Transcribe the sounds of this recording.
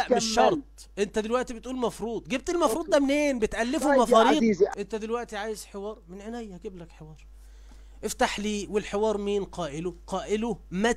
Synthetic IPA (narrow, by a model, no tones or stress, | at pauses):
ʔmeʃːɑɾˤt̪ˤ | ʔent̪æd̪elwæʔt̪ibet̪ʔuːlmɑfɾuːd̪ˤɡeb̚t̪elmɑfɾˤuːd̪d̪æmneːnbet̪ʔælːefomɑfɑːɾiːd̪ʔent̪æd̪elwæʔt̪iʕaːjezħewɑːɾˤmenʕenæjːæhæɡeblækħewɑːɾˤ | ʔeft̪aħliːwelħewɑːɾˤmiːnqɑːʔeloqɑːʔelomæ